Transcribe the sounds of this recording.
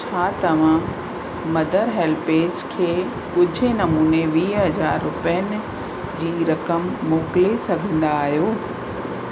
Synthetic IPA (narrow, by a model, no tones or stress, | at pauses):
t͡ɕʰaːt̪ɐʋ̤ã | mɐd̪ʱəɾɦeːlpeːd͡ʑkʰeː | kʊd͡ʑʱɪnɐmuːneʋiːɦɐzaːɾːʊpəjənɪ̆ | d͡ʑiːɾɐkəmːoːklesɐɡʱĩːn̆d̪aːɦijoː